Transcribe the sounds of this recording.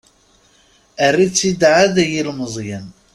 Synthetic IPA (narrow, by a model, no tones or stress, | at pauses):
ərːit͡sːid̪ʕaðæjilməzˤjən